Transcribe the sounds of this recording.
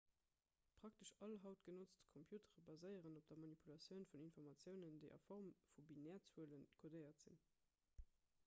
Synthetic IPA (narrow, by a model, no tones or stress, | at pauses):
pʁ̥ɑktəʃɑlɦɑʊtɡ̥ənot͡stkʰompʰjuːtʰəʁəbɑzəɪəʁənop̚d̥ɐmɑnipʰulɑt͡sjəʊnfuninfɔʁmɑt͡sjəʊnəndəɪʔɑ̰fɔʁmfubinɛːɐt͡swuələnkʰodəɪɐtz̥ḭn